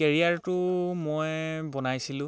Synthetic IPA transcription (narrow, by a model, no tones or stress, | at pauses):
ɛɹiaɹtʊmojbɔnajsilʊ̃